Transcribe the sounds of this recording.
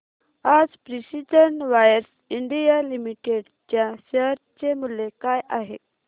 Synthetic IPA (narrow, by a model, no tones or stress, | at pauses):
ad͡zpɾisid͡ʑəɳʋajəɾs | iɳɖijalimiʈeɖ | t͡ɕjaɕəɾt͡ɕemulːekajʔaɦḛ